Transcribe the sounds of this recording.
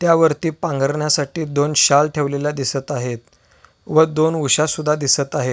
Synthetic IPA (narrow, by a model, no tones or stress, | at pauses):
t̪jaʋəɾt̪iːpãŋɡəɾɳjasaʈiːd̪onɕalʈʰeʋlelad̪isət̪aɦet̪̚ | ʋəd̪onuɕasud̪ʱːad̪isət̪aɦe